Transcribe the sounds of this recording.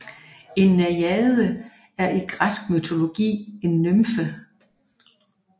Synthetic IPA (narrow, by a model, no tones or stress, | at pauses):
e̝nːæjɛðˠə | æɐʔiɡ̥ʁasɡ̥̚myt͡sʰo̝lo̝ɡ̥ḭːe̝nːømfə